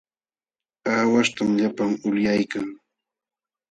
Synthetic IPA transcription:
aːwaʃt̪amʎapaŋʊljajkaŋ

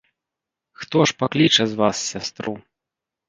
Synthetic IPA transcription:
xt̪ɔʂpaklʲit͡ʂɐzvassʲast̪ɾu

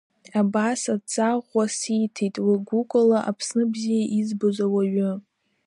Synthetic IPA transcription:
abasat͡sʼaʁʷasitʰejtʼwiɡʷukʷʼalaʔapʰsnɨbzijaʔizbozawaɥʊ

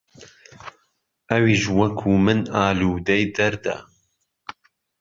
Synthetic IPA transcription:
ɐwiːʃwɐkʰuːmɨnaːluːd̪ɐjd̪ɐɾd̪ɐ̰

